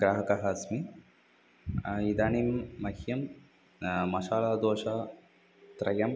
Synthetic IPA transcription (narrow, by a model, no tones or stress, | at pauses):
ɡɾaːɦɐkɐɦɐsmi | id̪aːniːmːɐhjɐm | mɐʃaːɭaːd̪oːʃɐ | t̪ɾɐjɐm